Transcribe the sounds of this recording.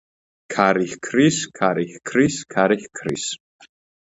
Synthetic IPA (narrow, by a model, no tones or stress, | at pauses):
kʰaɾixkʰriskʰaɾixkʰriskʰaɾixkʰris